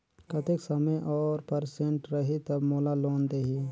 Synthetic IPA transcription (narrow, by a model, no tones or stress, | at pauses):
kɐt̪eksəməjʔɔːɾpəɾsẽɳʈɾəɦit̪ɐbmoːlaloːnd̪eɦi